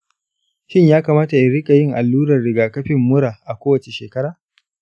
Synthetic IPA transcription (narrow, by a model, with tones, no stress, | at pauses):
ʃɪ˦ɲjaː˦kaː˨maː˦ta˨jɪ˦˨ɽɪ˦kʼa˨jɪ˦ŋʔa˨lːuː˦ɾɐ˨rɽɪ˨ɡaː˨kɐ˦ɸɪ˨mːʊ˦ɽaː˨ʔa˨kʷoː˦wɐ˨t͡ʃe˨ʃeː˨kɐ˦ɾaː˨